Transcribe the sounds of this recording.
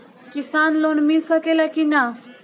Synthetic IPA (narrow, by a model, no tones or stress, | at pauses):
kisanlonmisəkelakina